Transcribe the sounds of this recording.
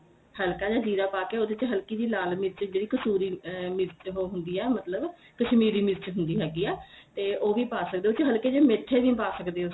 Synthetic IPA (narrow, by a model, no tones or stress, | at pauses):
həlkaːd͡ʒãːd͡ʒiːɾaːpaːkeːod̪eːt͡ʃɦəlkiːd̪iːlaːlmitt͡ʃd͡ʒeːɽiːkəsuːɾiːmɪzt͡ʃɦoːɦʊnd̪iːɛːmət̪ləb | kəʃmiːɾiːmɪzt͡ʃɦʊnd̪iːɦɛːɡiːɛːt̪eːʔoːʋiːpaːsək̚d̪eːt͡ʃɦəlkeːd͡ʒeːmeʈʰːeːʋiːpaːsəkd̪eː